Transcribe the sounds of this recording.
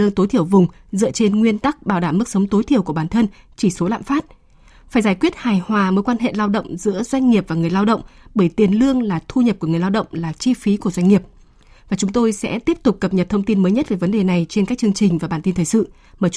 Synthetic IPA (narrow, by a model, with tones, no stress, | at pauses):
ɨ˧ŋt̪o˨˦jt̪ʰi˧˩əwvʊ˨˩ŋ͡mzɨ̰˧˨ət͡ɕe˧nŋwi˧ənt̪a˦˥k̚ɓaː˧˩wɗaː˧˩mːɨ˦˥k̚sə˨˦wŋ͡mt̪o˨˦jt̪ʰi˧˩əwku˧˩əɓaː˧˩nt̪ʰə˧n | t͡ɕi˧˩so˨˦la̰ː˧˨mfaː˦˥t̚ | faː˧˩jzaː˧˩jkwi˦˥ət̚haː˨˩jhwaː˨˩məː˨˦jkwaː˧nɦḛ˧˨laː˧wɗə̰˧˨wŋ͡mzɨ̰˧˥əzwa˧jŋ̟ŋi˨˩əp̚vaː˨˩ŋɨ˨˩əjlaː˧wɗə̰˧˨wŋ͡mɓəː˧˩jt̪i˨˩ənlɨ˧əŋlaː˨˩t̪ʰu˧ɲə˨˩p̚ku˧˩əŋɨ˨˩əjlaː˧wɗə̰˧˨wŋ͡mlaː˨˩t͡ɕi˧fi˨˦ku˧˩əzwa˧jŋ̟ŋi˨˩əp̚ | vaː˨˩t͡ɕʊ˨˦ŋ͡mt̪o˧jsɛ̰˧˥t̪i˦˥əp̚t̪ʊ˨˩k͡p̚kə˨˩p̚ɲə˨˩t̚t̪ʰə˧wŋ͡mt̪i˧nməː˨˦jɲə˦˥t̚ve˨˦və˨˦nɗe˨˩na˨˩jt͡ɕe˧nkaː˦˥k̚t͡ɕɨ˧əŋt͡ɕï˨˩ŋ̟vaː˨˩ɓaː˧˩nt̪i˧nt̪ʰːsɨ̰˧˨ | maː˧˩